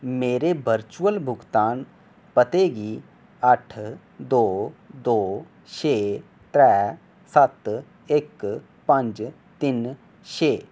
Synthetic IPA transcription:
meːɾebəɾt͡ʃuəlbʱʊɡt̪aːn | pət̪eːɡi | əʈʰ | d̪oːd̪oː | ʃeː | t̪ɾɛː | sət̪ | ɪk | pə̃ɲd͡ʒ | t̪ɪn | ʃeː

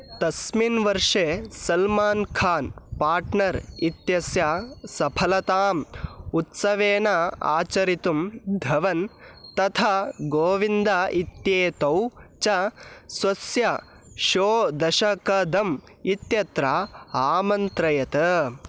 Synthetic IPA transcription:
t̪ɐsminʋɐɾʂesɐlmaːnkʰaːnpaːɾʈnɐɾit̪jɐsjasɐpʰɐlɐt̪aːmut̪sɐʋeːnɐa̰ːt͡ʃɐɾit̪umd̪ʱɐʋɐnt̪ɐt̪ʰaɡoːʋind̪ait̪jeːt̪ɐwt͡ʃɐsʋɐsjɐ | ʃoːd̪ɐʃɐkɐd̪ʱɐm | it̪jɐt̪ɾaaːmɐnt̪ɾɐjɐt̪ɐ

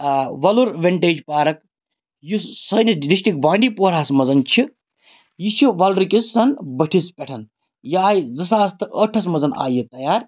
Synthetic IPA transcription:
ʋɐluɾʋʲeɳʈeːd͡ʒpaːɾɐk | jussɐjnisɖisʃʈik̚bãːɳɖipoːɾaːsmɐzɐnt͡ʃʰi | jit͡ʃʰiʋɐlɾɨkisːɐnbɐʈʰispʲɐʈʰɐn | jaːjzɐsaːst̪ɨʔəʈʰɐsmɐzɐna̰ːjit̪ɐjaːɾ

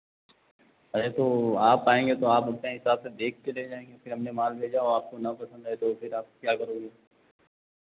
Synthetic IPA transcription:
ɐet̪oaːpaːẽːŋɡet̪oaːpɦɐpneɦɪsaːbsed̪eːk̚ʰːeleːd͡ʒaːẽːŋɡefʰɪɾɦɐmnemaːlbʱeːd͡ʒaɔːɾaːp̚konɐpɐsə̃nd̪aet̪ofʰɪɾaːp̚kjaːkɐɾõːɡeː

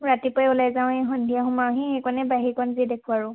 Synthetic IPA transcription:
ɹatipɔɛulajzaʊ̃ɛɦɔndʱijaɦʊmaɦĩxejkɔnɛbaɦiɹkɔnzidekʰuaɹʊ̃

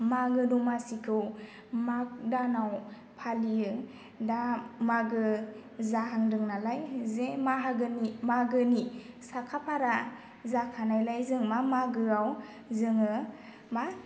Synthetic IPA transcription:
maɡɯnumasikʰɯw | mak̚danaw | pʰaliɯ | damaɡɯ | zaɦaŋdɯŋnalajzemaɦaɡɯnimaɡɯnisakʰapʰaɾa | zakʰanajlajzɯŋmamaɡɯaw | zɯŋɯ | ma

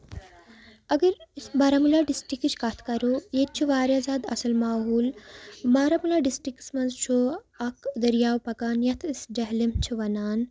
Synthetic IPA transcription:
ɐɡɐɾsbɐɾamulaɖisʈikt͡ʃʰkaːt̪ʰkɐɾojet̪̚t͡ʃʰiʋaːɾjazaːd̪ɐ̰sɐlmaːɦuːlmaːɾɐmulaɖisʈɾiksmɐnzt͡ʃʰo | ɐkd̪ɐɾjaːwpɐkaːnjɐt̪ʰisd͡ʒɐɦlimt͡ʃʰiʋɐnaːn

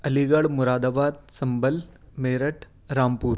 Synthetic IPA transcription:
əliɡəɽmuɾaːd̪abaːd̪̚sɐmbəl | meːɾəʈʰ | ɾaːmpuːɾ

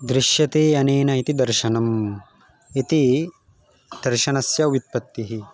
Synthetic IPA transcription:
d̪ɾɪʃjɐt̪eːɐneːnɐit̪id̪ɐɾʃɐnɐm | it̪i | d̪̥ɐɾʃɐnɐsjɐʋit̪̚pɐt̪ːiɦi

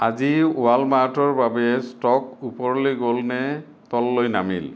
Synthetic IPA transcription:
aziʊwalmatɔɹbabɛstɔkupɔɹlojɡolnɛ | tɔlːojnamḭl

